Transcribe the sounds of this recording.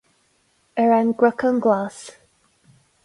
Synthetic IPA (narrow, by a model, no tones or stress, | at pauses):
əɹanɡɹəkənɡlas